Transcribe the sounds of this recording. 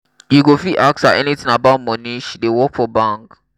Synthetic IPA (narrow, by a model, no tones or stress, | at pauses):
juɡofiʔak̚saʔɛnitĩŋabaʊt̚mɔ̃niʃdewɔkfɔbãŋk